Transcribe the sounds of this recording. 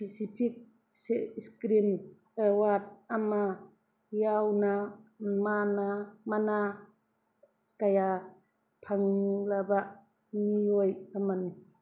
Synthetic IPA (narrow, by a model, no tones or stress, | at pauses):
pisipʰik̚ | seskɾim | awat̚ama | jawnamanamana | kaja | pʰaŋlabaʔ | niɔjamani